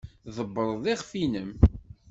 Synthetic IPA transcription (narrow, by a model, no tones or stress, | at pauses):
ðˤəbːəɾˤðˤiʁfinəm